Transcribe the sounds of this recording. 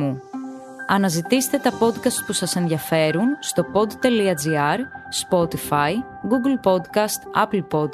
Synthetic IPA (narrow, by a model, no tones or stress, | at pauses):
u | ɐnɐzit̪ise̥t̪e̞t̪ɐpo̞d̪kɐst̪̚pusɐse̞nðʝɐfe̞ɾunst̪o̞po̞d̪t̪e̞liɐd͡ziɐɾspo̞t̪ifɐj | ɡuɡlpo̞d̪kɐst̪ɐ̰pl̩po̞d̪̚